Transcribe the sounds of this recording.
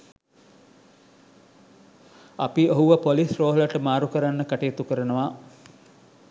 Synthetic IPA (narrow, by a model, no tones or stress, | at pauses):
apioɦuʋəpolisroːɦəlaʈəmaːɾukəɾanːəkaʈejːt̪ukəɾənəʋa